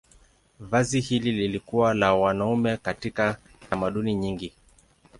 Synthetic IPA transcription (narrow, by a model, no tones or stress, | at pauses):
vazihilililikuwalawanaumɛkatika | tamaɗuniɲiŋɡi